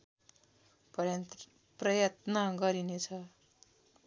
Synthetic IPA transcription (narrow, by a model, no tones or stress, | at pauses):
pn | prʌjʌt̪nʌɡʌɾinet͡sʰʌ